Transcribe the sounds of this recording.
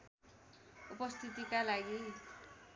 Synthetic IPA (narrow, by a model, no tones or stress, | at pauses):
upʌst̪ʰit̪ikalaɡi